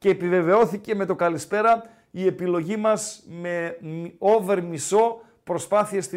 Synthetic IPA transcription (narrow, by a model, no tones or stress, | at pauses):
ce̞ːpive̞ve̞o̞θice̞me̞t̪o̞kɐlispe̞ɾɐ | ie̞pilo̞ʝimɐzme̞o̞ve̞ɾmiso̞ | pɾo̞spɐθiest̪i